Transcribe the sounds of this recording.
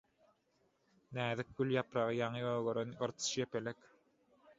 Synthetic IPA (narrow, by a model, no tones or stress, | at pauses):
næːðik̚ɡyljɑpɾɑʁɯjɑŋɯøːɣøɾønɯɾt̪ʰɯ̥ʃjepelek